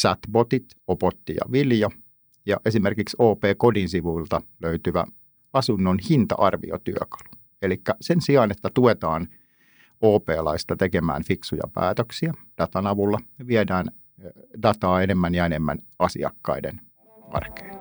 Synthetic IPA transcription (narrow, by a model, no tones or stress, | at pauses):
sæt̪bot̪it̪ | opot̪ːijɑ̰ʋiljɑ | jɑʔesimerkiksoːpeːkodinsiʋuilt̪ɑløyt̪yʋæ̰ | ɑsunːonhint̪ɑ̰ʔɑrʋḭo̰t̪yø̰kɑ̥lu̥ | elikːæsensiɑːnet̪ːæt̪uet̪ɑːn | oːpeːlɑist̪ɑt̪ekemæ̰ːnfiksujɑ̰pæ̰ːt̪øksiæd̥ɑt̪ɑnɑʋulːɑneʋiedæːn | dɑt̪ɑːenemːænjɑenemːæ̰nɑsḭɑ̰kːɑ̰idḛn | ɑ̰rke̥ːn